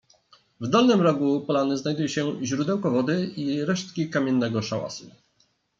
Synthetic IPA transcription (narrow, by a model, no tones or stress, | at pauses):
vd̪ɔlnɘmɾɔɡupɔlanɘznajd̪ujɛɕɛʑɾud̪ɛwkɔvɔd̪ɘiɾɛʂt̪̚kʲikamʲjɛnːɛɡɔʂawa̰su